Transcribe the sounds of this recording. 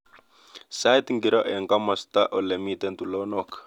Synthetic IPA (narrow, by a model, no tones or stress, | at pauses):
sajt̪ŋɡiɾɔʔɛŋkamast̪aʔɔlɛmit̪ɛnt̪ulɔnɔk